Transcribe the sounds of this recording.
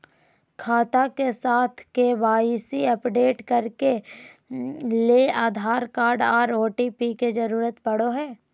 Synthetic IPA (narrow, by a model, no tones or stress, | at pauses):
kʰaːt̪akesaːt̪ʰkeʋaːisiɐpɖeːʈkɐɾke | leːaːd̪ʱaːɾkaːɾɖaːɾoːʈipiked͡ʒɐɾuːɾət̪bɐɽ̤oɦɛː